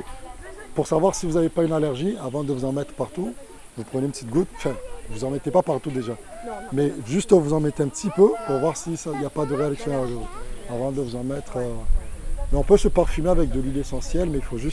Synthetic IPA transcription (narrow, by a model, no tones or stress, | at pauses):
puʁsavwaʁsivuzavepaynalɛʁʒiavɑ̃d̪əvuzɑ̃mɛt̪χpaʁt̪u | vupχənepət̪it̪ɡut̪ɑ̃fɛ̃vuzɑ̃mɛt̪epapaʁt̪ud̪eʒamɛʒyst̪ɔvuzɑ̃mɛt̪eɛ̃pt̪ipøpuʁvwaʁsisailjapad̪əʁealiksjɔ̃nazoavɑ̃d̪əvuzɑ̃mɛt̪χø | mɛɔ̃pøsəpaʁfymeavɛk̚d̪əlilesɑ̃sjɛlmɛilfoʒyst̪